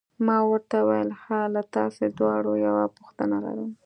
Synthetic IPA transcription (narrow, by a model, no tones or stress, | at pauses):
mɑwəɾt̪awajəlhalat̪ɑsed̪wɑɽojawapʊxt̪ənala̰ɾu